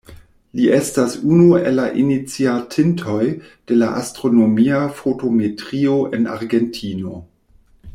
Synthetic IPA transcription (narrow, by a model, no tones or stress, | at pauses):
liʔestasunuelːaʔinit͡siatʰintʰo̞j | d̥e̞laʔastɾo̞no̞miafotometʁio̞ʔena̰ɾɡentʰino̞̰